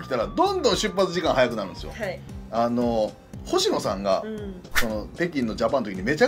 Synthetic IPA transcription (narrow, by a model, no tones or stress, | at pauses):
kʲi̥t̪aɾad̪õ̞nd̪õɰ̃ɕɨpːat͡sɨʑikãɦajakɯ̟naɾɯ̟̃d̪esɨjo̰ano̞ | ho̞ɕino̞sã̰ŋɡa̰ | so̞no̞t̪e̞k̬ʲĩnːo̞d͡ʑapanot̪okiɲime̞t͡ɕa